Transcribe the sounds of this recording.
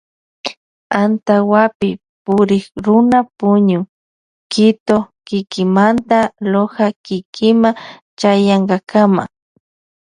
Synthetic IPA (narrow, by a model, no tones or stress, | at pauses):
ant̪awapɪ | pʊɾɪkɾʊnapʊɲʊ | kɪt̪okɪkɪmant̪alohakɪkʰɪmat͡ʃajaɴɢɑkama̰